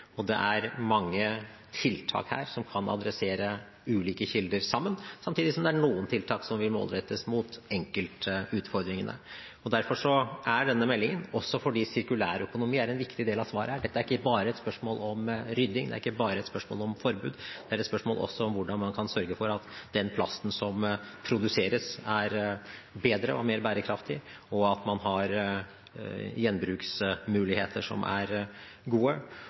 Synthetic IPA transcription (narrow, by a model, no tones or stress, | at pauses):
ɔd̪ɛ̰ʔæɾmɑŋːə | t̪ʰɪlt̪ʰɑ̰ːkhæ̰ːɾsɔmkʰɑnɑ̰d̪ɾɛseːɾə | ʉːliːkəçɪld̪əɾsɑmːənsɑmt̪ʰiːd̪ɪsɔmd̪ɛæɳuːənt̪ʰɪlt̪ʰɑːksɔmʋɪlmo̰ːlɾɛt̪ːəsmʊt̪ɛŋkəlt̪əʉːt̪fɔɾd̪ɾɪŋənʔə̰ | ɔd̪æɾfɔʂɔʔæɖɛnːəmɛlːɪŋənɔsːɔfɔɖiːsɪɾkʉlæ̰ːɾœkʊnʊmiːæɾɛnʋɪkt̪ɪd̪eːlɑʋsʋɑːɾəhæːɖɛt̪ːæɾɪkːəbɑːɾəɛt̪spœʂmoːlɔmɾʏd̪ːɪŋd̪ɛ̰æɾɪkːəbɑːɾəɛt̪spœʂmo̰ːlɔmfɔɾbʉ̰ːd̪d̪̥ɛæɾɛt̪spœʂmoːlʔɔ̰sːɔɔmʋʊɖɑnmɑnkʰɑnsœɾɡəfɔɾɑt̪d̪̥ɛnpʰlɑ̰st̪n̩sɔm | pʰɾʊd̪ʉseːɾəsæɾbeːd̪ɾə̰ɔmeːɾbæːɾəkʰɾɑft̪ʰɪ | ɔɑt̪mɑnɦɑɾ | jɛnːbɾʉːksmʉːlɪheːt̪ʰəʂɔ̰mʔæ̰ɾ | ɡuːə